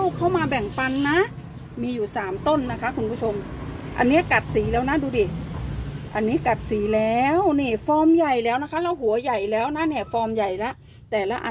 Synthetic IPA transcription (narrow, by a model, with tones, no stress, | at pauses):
kʰa˧˥˩wmaː˧bɛ˨˩ŋpa˧nːa˦˥ | miː˧juː˨˩saː˩˦mt̪o˥˩nːa˦˥kʰa˦˥kʰu˧npʰu˦˥˩t͡ɕʰo˧mʔa̰˧nːi˦˥ɐ˨ka˨˩t̪̚siː˩˦lɛː˦˥wna˦˥duː˧diː˨˩ | ʔa˧nːiː˦˥˨ka˨˩t̪̚siː˨˦lɛː˦˥˦wniː˧˩fɔː˧mja˨˩jlɛː˦˥wna˦˥kʰa˦˥laː˧˩˨whu˨˩˦ɐja˨˩jlɛː˦˥wna˦˥˨ni˧˩fɔː˧mja˨˩jla˦˥ʔ | t̪ɛː˨˩la˦˧˥ʔa̰˧˨